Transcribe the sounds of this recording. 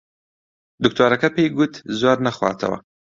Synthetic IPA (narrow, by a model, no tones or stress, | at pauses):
d̪ʊk̚t̪aɾakapeɡut̪zwaɾnaxwɑ̰t͡s̪a̰wa̰